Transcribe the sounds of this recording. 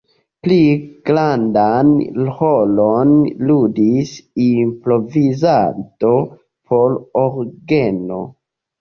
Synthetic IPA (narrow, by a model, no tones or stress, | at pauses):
pliɡ̥ɾandanholonludisimpɾo̞vizanto̞ | pʰoɾoɾɡeno̞̰